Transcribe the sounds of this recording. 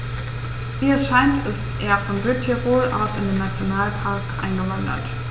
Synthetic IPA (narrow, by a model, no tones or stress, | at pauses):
viːɛɐsʃaɪntɪstʔeːɐfɔnɡʁɪtʰiʁoːlʔa̰ʊsɪndeːnːat͡sjonaːlpʰaɐkʔa̰ɪnɡəvandɐ̰t